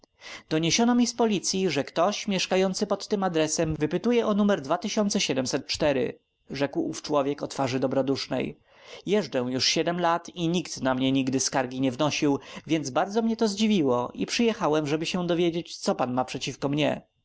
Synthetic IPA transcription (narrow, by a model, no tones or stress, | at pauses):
d̪ɔɲeɕɔnɔmʲispɔlʲit̪sʲjiʐɛkt̪ɔɕmʲjɛʂkajɔnt̪sɘpɔt̪ːɘmad̪ɾɛsɛmvɘpɘt̪ujɛʔɔnumɛɾd̪vat̪ɘɕɔnt̪sɛɕɛd̪ɛmsɛt̪̚t͡ʂt̪ɛɾɘ̰ | ʐɛkwuft͡ʂwɔvʲjɛkɔt̪faʐɘd̪ɔbɾɔd̪uʂnɛ̰j | jɛʐd͡ʐɛw̃juʂɕɛd̪ɛmlat̪iɲikt̪namɲɛɲiɡd̪ɘskaɾɡʲiɲɛvnɔɕiwvʲjɛnd̪zbaɾd̪zɔmɲɛt̪ɔzd͡ʑivʲiwɔʔipʂɘjɛxawɛmʐɛbɘɕɛd̪ɔvʲjed͡ʑet͡ɕt̪sɔpanmapʂɛt͡ɕifkɔmɲɛ̰